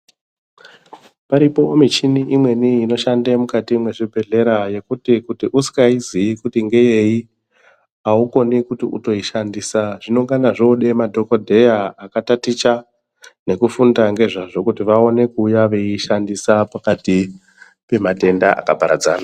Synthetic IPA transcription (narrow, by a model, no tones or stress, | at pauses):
paɾipo̞mit͡ʃiniʔimwe̞niino̞ʃandemukatimwe̞ʐibʱe̞ɮe̞ɾaje̞kutikutiʔusi̥kaiziikutiŋɡe̞je̞ji | auko̞nikutiʔṵto̞iʃandiːsaʐinoŋɡanaʐoɗe̞madʱo̞ko̞dʱe̞jaːkatatit͡ʃa | ne̞kufundaŋɡe̞ʐaʐo̞kutiʋao̞ne̞kuːjaʋe̞iʃandisapakati | pe̞mate̞ndaʔa̰kabʱaɾa̰d͡za̰ːna